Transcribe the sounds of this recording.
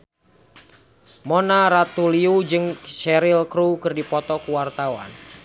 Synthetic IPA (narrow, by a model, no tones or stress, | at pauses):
monaɾat̪uliud͡ʒɨŋʃɛɾɪlkɾukɨrdipɔt̪ɔkuwart̪awa̰n